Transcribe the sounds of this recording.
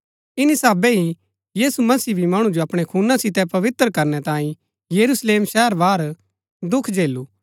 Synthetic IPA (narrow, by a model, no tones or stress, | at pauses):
ɪnisaːbɛɦi | jiːsumɐsiːbʱimɐɽ̃ũd͡ʒoɐpɽ̃ekʰuːnasɪt̪ɛpɐʋɪt̪ɾəkɐɾnɛt̪ãːĩ | jɐɾusleːmʃɛːəɾʋaːɾ | d̪ʊkʰd͡ʒeːluː